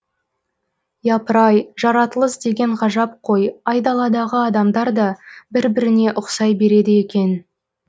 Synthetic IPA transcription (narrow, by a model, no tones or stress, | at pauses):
jɑpəɾɑjʒɑɾɑt̪əlˠəzd̪e̞ɡʲe̞ɴʁɑʒɑp̚qʰo̞jɑjd̪ɑlˠɑd̪ɑʁəɑd̪ɑmd̪ɑɾd̪ɑbɪɾbɪɾɪne̞ʔʊqsɑjbe̞ɾe̞d̪ɪje̞kʲe̞n